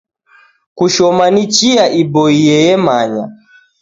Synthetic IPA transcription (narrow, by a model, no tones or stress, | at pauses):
kuʃɔmanit͡ʃiaʔibɔiɛjɛmaɲa̰